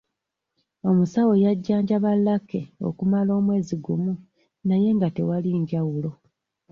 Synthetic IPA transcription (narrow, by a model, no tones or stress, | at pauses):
o̞musawo̞jaɟːaːɲɟaβalːake̞o̞̰kumalo̞ːmwe̞ːziɡumu | naje̞ŋɡate̞waliɲɟawulo̞